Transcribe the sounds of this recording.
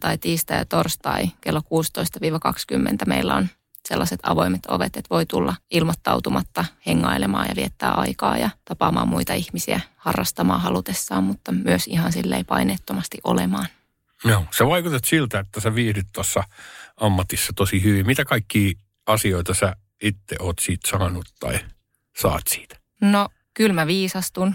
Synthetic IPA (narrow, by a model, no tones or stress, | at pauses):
t̪ɑit̪iːst̪ɑjɑt̪orst̪ɑikelːokuːst̪oist̪ɑʋiːʋɑkɑkskymːḛnt̪æmeilːæon | selːɑset̪ɑʋoimet̪oʋet̪et̪ʋoit̪ulːɑilmɑt̪ːɑwt̪umʔɑt̪ːɑheŋːɑilemɑ̰ːjɑ̰ʋiet̪ːæːʔɑikɑːjɑt̪ɑpɑːmʔɑːmuit̪ɑihmisiæhɑrːɑst̪ɑmɑːhɑlut̪esːɑːmmut̪ːɑmyøsihɑnsilːḛipɑineːt̪ːomɑst̪iʔo̰lemɑːn | joːseʋɑikut̪et̪silt̪æet̪ːæsæʋiːrit̪t̪ɑsːɑɑmːɑt̪isːɑt̪osihyʋimmit̪ækɑikːiː | ɑsioit̪ɑsæ | it̪ːeʔoːt̪siːt̪sɑːnut̪t̪ɑ̰i | sɑ̰ːt̪si̥ːt̪æ̥ | no | kylmæʋiːsɑst̪un